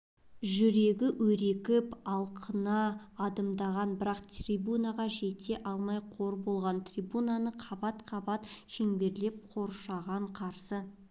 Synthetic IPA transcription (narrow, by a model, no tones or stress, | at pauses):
ʒʏɾe̞ɡʲɪwɵɾe̞kʲɪpɑlˠqʰənɑːd̪əmd̪ɑʁɑnbɪɾɑqt̪rʲibunaʁɑʒe̞t̪e̞ʔɑlˠmɑjqʰo̞ɾbo̞lˠʁɑnt̪rʲijbunanəqʰɑbɑt̪qʰɑbɑt̪ʃeŋbe̞ɾle̞p̚qʰo̞ɾʃɑʁɑɴqʰɑɾsə